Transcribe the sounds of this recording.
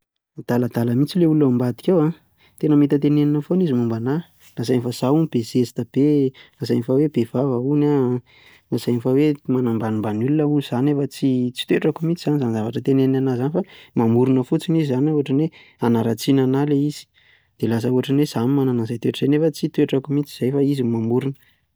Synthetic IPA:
d̪̥aləd̪aləmit͡sileuluambad̪i̥kʲewa | t̪enəmit̪ət̪eneninəfonizimumbana | nazajnifazaunib̥ezesit̪əb̥enazajnifawebevavəuna | naz̥ajnifawemanambanimbanulunəuiz̥anefət͡sit͡si̥t̪weʈ͡ʂakumit͡sizanizanzavaʈ͡ʂət̪eneninanazanifamamuɾunəfut͡sinizizanauaʈ͡ʂanwe | anaɾat͡sinanaleiz̥i̥ | d̪̥elas̬əuaʈ͡ʂanwez̥animananazajt̪ueʈ͡ʂəzenefət͡sit̪weʈ͡ʂakumit͡si̥z̥ajfaizimamuɾunə

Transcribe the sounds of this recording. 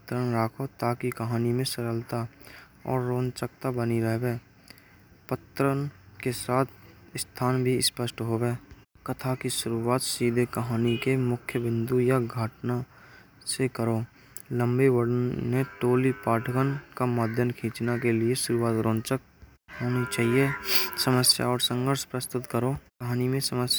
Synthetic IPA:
t̪ɾənɾaːkʰot̪aːkikəɦaːnimẽsəɾəlt̪a | ɔ̰ːɾːõːnt͡ʃək̚t̪abəniɾəɦebeː | pət̪ɾənkesaːt̪ʰ | st̪ʰaːnbʱispəʃʈɦobeː | kət̪ʰakiʃʊɾuaːt̪siːd̪ʱekəɦaːnikemʊkʰjəbɪ̃nd̪ujaɡʱaːʈna | sekəɾoː | lə̃mbewəɽənːẽʈoːlipaːʈʰəkənkamaːd̪ʱjənkʰĩːt͡ʃnakelieʃʊɾuaːt̪ɾõːnt͡ʃək̚ | ɦoːnit͡ʃaːɦiesəməsja̰ɔːɾsə̃ŋɡʱəɾʃpɾəst̪ʊt̪kəɾoːkəɦaːnimẽsəməs

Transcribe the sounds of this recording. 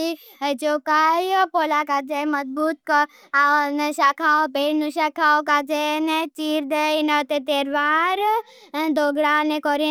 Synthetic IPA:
i | ət͡ʃokajpoːlakad͡ʒemɐzbuːt̪̚kɔ | aneʃakʰaopeːɽnuʃakʰaokad͡ʒenet͡ʃiːɾd̪einət̪et̪eːɾʋaɾ | d̪oɡɽanekɔɾi

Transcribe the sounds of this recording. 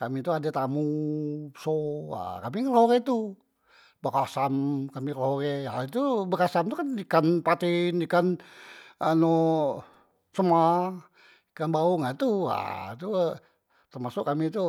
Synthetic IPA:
kamit̪uadat̪amu | soa̰kamiŋəloɾet̪u | bəkasamkamikəloɾɛait̪ubəkasamt̪ukandikanpat̪ɪndikan | ano | səma | ikanbauŋat̪ua̰t̪u | t̪ərmasʊʔkamit̪u

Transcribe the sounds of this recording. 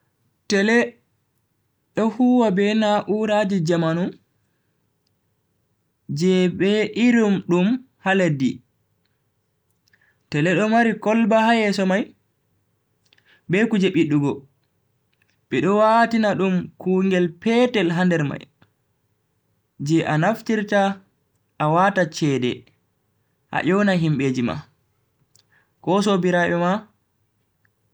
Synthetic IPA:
tɛlɛ | ɗɔhuːwabɛnaʔuɾad͡ʒid͡ʒamanum | d͡ʒɛbɛʔiɾumɗum | haledi | tɛlɛɗɔmaɾikɔlbahajɛsɔmaj | bɛkud͡ʒeɓiɗːuɡɔ | ɓɛɗɔwatinaɗumkuŋɡɛlpɛːtɛlɦandɛɾma̰j | d͡ʒɛʔanaftiɾta | ʔawatat͡ʃɛːdɛ̰ | ʔa̰ʔɔwnaɦimɓed͡ʒima̰ | kɔs̬ɔbiɾaɓɛma

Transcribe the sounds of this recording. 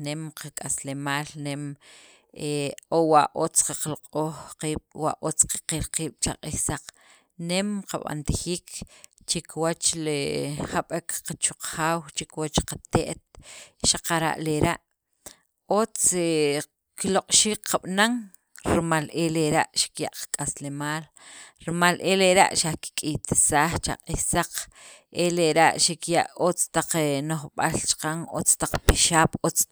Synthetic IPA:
nemqʰakʼaslemaːlnem | eowaʔot͡sqaqlqʼoːχqiːɓ̥wa̰ʔot͡sqḁqilqiːɓ̥t͡ʃa̰qʼihsaq͡χ | nemqaɓa̰nt̪ixiːkt͡ʃekwat͡ʃlehaɓekqat͡ʃuqxaːwt͡ʃikwat͡ʃqat̪eʔt̪̚ʃaqaɾa̰ʔleɾaʔ | ot͡se | kiloqʼʃiːkqaɓ̥naŋ | ɾimaleleɾaʔʃi̥kja̰ʔqḁkʼaslemaːl | ɾimalʔeleɾa̰ʔʃaki̥kʼijt̪i̥saːχt͡ʃa̰qʼihsaq͡χ | ʔeleɾaʔʃikjaʔot͡st̪aq͡χenoχɓalt͡ʃḁqaŋo̰t͡st̪aq͡χpiʃaːɓ̥ot͡s

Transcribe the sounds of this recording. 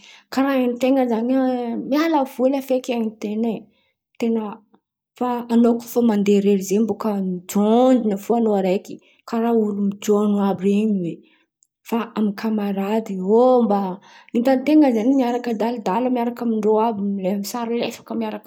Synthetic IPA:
kaɾaanit̪eŋəzaɲamialav̥ulafekaɲit̪ene | t̪enə | faːnoku̥famand̪eɾeɾizembokəmid͡ʒond͡ʒinəfuanoaɾajki̥ | kaɾaulumid͡ʒoanoabieɲiwe | faamikʰamaɾad̪iombaint̪ant̪eŋəzanmiaɾakəd̪ald̪aləmiaɾakamiɳɖ͡ʐoabilemisaɾilefḁkəmiaɾak

